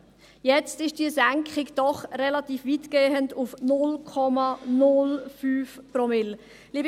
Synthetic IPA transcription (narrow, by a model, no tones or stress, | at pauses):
jɛt͡stɪʃd̥iːzæŋkχɪɡd̥ɔχrɛlatiːfvitɡ̥eːəndufnʊlkʰɔmanʊlfyːfpromɪl | liːb